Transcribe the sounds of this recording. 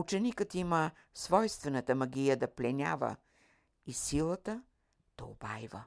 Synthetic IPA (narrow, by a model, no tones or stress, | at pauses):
ut͡ʃɛnikət̪imə | svɔjst̪vɛnət̪əmɐɡʲijəd̪ɐplʲɛnʲa̰və̰ | isilˠət̪ə | d̪̥ɐobajvə̰